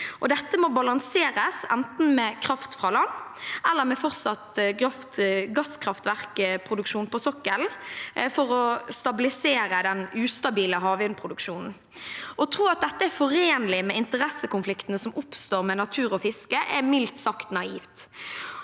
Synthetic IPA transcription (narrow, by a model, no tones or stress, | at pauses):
ʔɔd̪ɛt̪ːəmɔbɑlɑŋseːɾəsɛ̰nt̪n̩mɛkʰʁɑft̪fʁɑːlɑnːʔɛlːəʁmɛfɔʁt̪sɑt̪ɑft̪ɡɑskʰʁɑft̪ʋæʁkpʰʁʊd̪ʉkʃuːnpʰɔsɔkːəlfɔɾɔst̪ɑbɪlɪseːɾəd̪ɛnʉːst̪ɑbiːləɦɑːʋʏnpʰʁʊd̪ʉkʃuːnn̩ | ʔɔt̪ʰʁuːɑt̪̚d̪ɛt̪ːəæfɔɾeːnlɪmɛɪnt̪əʁɛsəkʊnflɪkt̪n̩əsɔmʊpst̪oːʁmɛnɑt̪ʰʉːʁɔfɪskəʔɛmɪlt̪sɑkt̪nɑiːft̪